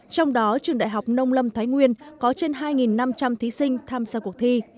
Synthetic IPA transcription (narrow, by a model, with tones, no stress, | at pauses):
t͡ɕɔ˧wŋ͡mɗɔ˨˦t͡ɕɨ˨˧˩əŋɗa̰ː˧˨jɦa˨˩wk͡p̚nə˧wŋ͡mlə˧mt̪ʰaː˨˦jŋwi˧ənkɔ˨˦t͡ɕe˧nɦaː˧jŋi˨˩nːa˧mt͡ɕa˧mt̪ʰi˨˦sï˧ŋ̟t̪ʰaː˧mzaː˧ku˨˩ək̚t̪ʰi˧